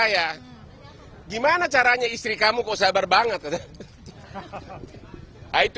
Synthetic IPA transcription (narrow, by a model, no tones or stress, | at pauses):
ja | ɡimanat͡ʃaɾaɲaist̪ɾikamukasabarbaŋət̪̚kat̪a | ait̪